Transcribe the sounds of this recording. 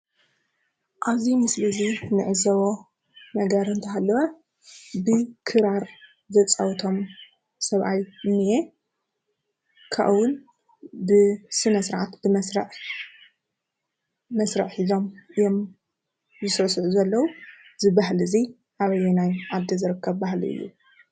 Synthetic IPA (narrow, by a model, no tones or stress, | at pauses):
ʔazimɨslɨzinɨʕɨzɐβo | nɐɡɐɾɨnt̪ʰɐɦalːɨwɐ | bɨkʰɨɾaɾ | zɐt͡sʼɐwt̪ʰo̞m | sɐβʔajɨnːje | kʰa̰ʔwʊn | bɨsɨnɐsɨɾʕat̪b̥ɨmɐsɾɐʕ | mɐsɾɐʕħizo̞mɨjo̞m | zɨsɐsuʕuzɐlːɐwuzɨbahlɨzi | ʔaβɐjɛnajʔad̪ːɐzɨɾɨkʰːɐβbahlḭɨ̰jːṵ